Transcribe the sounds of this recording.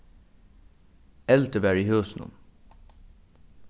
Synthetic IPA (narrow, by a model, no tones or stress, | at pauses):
ɛlt̪əbæɹiːhøːsnṵn